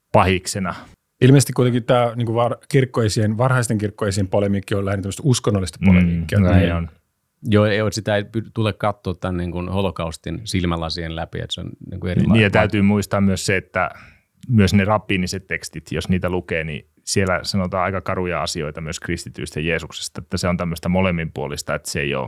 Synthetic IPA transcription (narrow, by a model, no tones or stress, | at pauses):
pɑhiksenɑ | ilmeiset̪ikuit̪eŋkitt̪æːniːŋkuʋɑrkirkːoesienʋɑrhɑist̪eŋkirkːoesiempolemiːkːiollæhent̪æmːst̪uskonːolːist̪ɑ̥polemiːkːiænon | joːeioˑt̪sit̪æipyt̪ulekkɑt̪ːoːt̪t̪ænːiŋkunholokɑust̪insilmælːɑsihenlæpḭḛt̪seo̰nnḭːŋkueriiːj̪æt̪æyt̪yːmuist̪ɑːmmyøsseet̪ːæ̰ | myøsnerɑpːiːniset̪tekst̪it̪josniːt̪ælukeːnḭ | sielæ̰sɑnot̪ɑːɑikɑkɑrujɑɑsioit̪ɑmyøskrist̪it̪y̰ist̪æjeːsukse̥st̪ɑet̪ːæseont̪æmːøst̪ɑmolemːimpuolist̪ɑet̪seḛio̰ː